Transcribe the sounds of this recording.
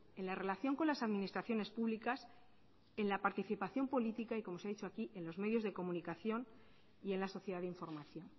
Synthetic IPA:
e̞nlare̞laθjo̞ŋko̞nlasaðminist̪ɾaθjo̞ne̞spuβlikas | enlapaɾt̪iθipaθjo̞mpo̞lit̪ikaikomo̞seaðit͡ʃo̞akiʔe̞nlo̞zme̞ðjo̞zðe̞ko̞mũnikaθjo̞n | ie̞nlaso̞θje̞ðaðiɱfo̞ɾmaθjo̞n

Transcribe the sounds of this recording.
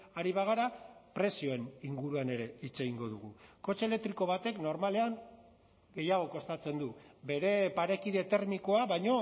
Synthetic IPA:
aɾiβaɣ̞aɾapɾe̞sio̞e̞niŋɡuɾuane̞ɾe̞it͡se̞ɣiŋɡo̞ð̞uɣ̞uko̞t͡ʃelekt̪ɾiko̞βat̪e̞kno̞ɾmale̞aŋ | ɡe̞jaɣ̞o̞ko̞st̪at͡se̞nd̪ube̞ɾe̞paɾe̞kiðe̞t̪e̞ɾmiko̞aβajɲo̞

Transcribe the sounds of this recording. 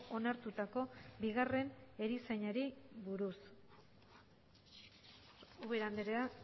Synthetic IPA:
o̞naɾt̪ut̪ako̞biɣare̞ne̞ɾiseɲaɾiβuɾus | uβeɾand̪eɾea

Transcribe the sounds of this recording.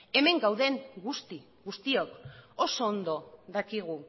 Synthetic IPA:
e̞me̞ŋɡawðe̞ŋɡust̪i | ɡust̪io̞ko̞so̞ːnd̪o̞ðakiɣ̞u

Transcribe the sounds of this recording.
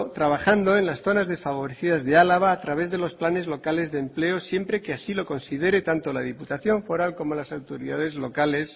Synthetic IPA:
t̪ɾaβ̞axand̪o̞enlasθo̞nazðe̞sfaβ̞o̞ɾeθiðazðealaβaːt̪ɾaβe̞zðe̞lo̞splane̞zlo̞kale̞zðemple̞o̞sje̞mpɾe̞keasilo̞ko̞nsið̞e̞ɾe̞t̪ant̪o̞lað̞iput̪aθjo̞ɱfo̞ɾalko̞mo̞lasawt̪oɾiðað̞e̞zlo̞kale̞s

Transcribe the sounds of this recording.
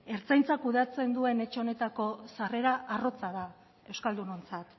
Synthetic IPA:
e̞ɾt͡sajnt͡sakuðat͡se̞nd̪ue̞ne̞t͡ʃeo̞ne̞t̪ako̞sare̞ɾaʔaro̞t͡saða | e̞wskald̪uno̞nt͡sat̪

